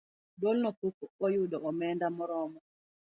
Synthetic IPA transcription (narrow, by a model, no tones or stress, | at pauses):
dolnɔpukɔjuɗɔɔmɛndamɔɾɔmɔ